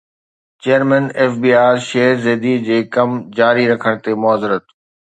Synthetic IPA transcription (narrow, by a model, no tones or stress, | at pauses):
t͡ɕeːəɾmɛ̃neːfbiːaːɾʃeːɦɾzeːd̪id͡ʑeːkɐmd͡ʑaːɾiɾɐkʰəɽ̃t̪emʊaːzɪɾət̪